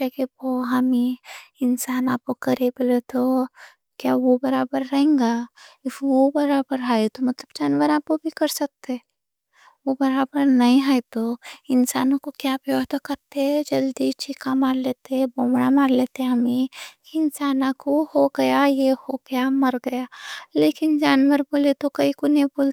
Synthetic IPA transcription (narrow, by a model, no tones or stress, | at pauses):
ekeboɦɐmiɪnsaːnaːp̚kokɐɾebɪlet̪ʰo | kjaːʋobɐɾaːbəɾːɐɦẽːŋɡaɪfobɐɾaːbəɾɦaet̪omɐt̪ləbt͡ʃɐnʋəɾaːpkobʱikɐɾsɐk̚t̪eɛ | ʋobɐɾaːbəɾnɐɦĩɦaːet̪oɪnsaːnõkokjaːpjɐɦt̪kɐɾt̪eɦɛd͡ʒɐld̪it͡ʃʰikamaːɾleːt̪eɛbõːmɽamaːɾleːt̪eɦɛ̃ɦɐmẽkiɪnsaːnãkohoɡɐjajehoɡɐjamɐɾɡɐjaːleːkɪnd͡ʒaːnwəɾboːlet̪okɐikoneiboːl